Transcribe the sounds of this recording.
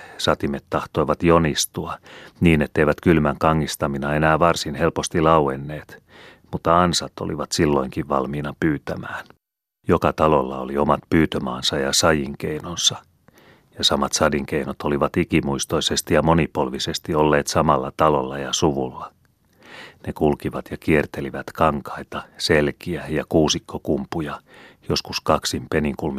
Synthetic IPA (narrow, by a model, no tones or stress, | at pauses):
sɑt̪imet̪ːɑht̪o̞iʋɑt̪jonist̪uɑniːnet̪ːeiʋæt̪kylmæŋkɑŋːist̪ɑminɑe̞næːʋɑrsinhelpost̪ilɑuenːeːt̪ | mut̪ːɑɑnsɑt̪o̰liʋɑt̪silːoiŋkiʋʋɑlmiːnɑpyːt̪æmæːn | jokɑt̪ɑlolːɑ̰o̰liomɑt̪pyːt̪ømɑːnsɑjɑsɑjiŋk̟einonsɑ | jɑsɑmɑt̪sɑdiŋkeinot̪ʰoliʋɑt̪ikimuist̪o̞isest̪ijɑmonipolʋisest̪iolːeːt̪sɑmɑlːɑt̪ɑlolːɑjɑsuʋulːɑ | nekulkiʋɑt̪jɑkiert̪eliʋæt̪kɑŋkɑit̪ɑselkiæjɑkuːsikːokumpːujɑjo̞skuskɑksimpeniŋkulmi